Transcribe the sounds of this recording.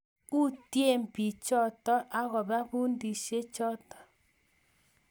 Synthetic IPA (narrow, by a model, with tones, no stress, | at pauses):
u˦tje˦˨mpi˨t͡ʃɔ˦˨tɔ˦ʔa˦ɣɔ˨βa˦βu˦ndi˨ʃe˦t͡ʃɔ˦tɔ̥˨